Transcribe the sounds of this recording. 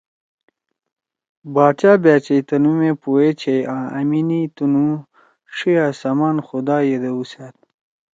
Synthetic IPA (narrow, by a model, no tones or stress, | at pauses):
baːt͡ɕaːbaːt͡ɕɐjt̪ɐnumepuet͡ɕʰejãːʔɐminit̪unu | ʂiaːsɐmaːnxud̪aːjed̪eusat̪̚